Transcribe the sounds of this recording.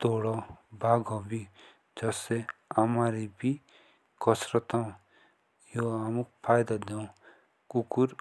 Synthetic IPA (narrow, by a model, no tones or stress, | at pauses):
t̪oɽɔbʱaɡɔbi | d͡zʌse | amaɾibi | kɔsɾʌt̪ɔ̃ | joamukpʰajd̪ad̪ẽ | kukuɾ